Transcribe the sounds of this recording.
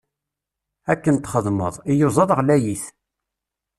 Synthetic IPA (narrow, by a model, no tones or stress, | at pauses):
ækːənt̪χəðˤmə̰ðˤijozˤɑðˤʁlæjiθ